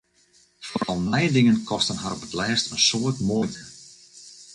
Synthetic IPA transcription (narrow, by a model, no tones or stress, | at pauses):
foɔlˠnɛjdɪŋənkʰɔstənɦaɾɔpətlɛːstənsoətmojtə